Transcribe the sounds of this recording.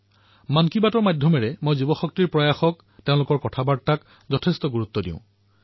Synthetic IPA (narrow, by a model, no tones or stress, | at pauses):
mankibatɔɹmadʱjɔmɛɹɛmojzibɔxɔk̚tɹiɹpɹɔjaxɔk | teʊ̃lʊkɔɹkɔtʰabatak | zɔtʰestɔɡuɹut̪ːɔdḭ̃ʊ̃